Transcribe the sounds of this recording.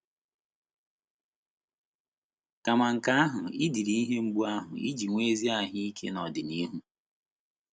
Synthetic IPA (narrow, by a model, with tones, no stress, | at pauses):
ka˨ma˨ŋ̩˨ka˦a˦ɦʊ˨ɪ˦di˨ɾi˦i˦ɦe˦ŋ͡m̩˦ɡ͡bu˦a˦ɦʊ˨ḭ˦d͡ʒi˨ŋʷeː˦zi˦a˦ɦɪ˦i˦kʰḛ˦nɔ˨dɪ˨ni˦ɦu˦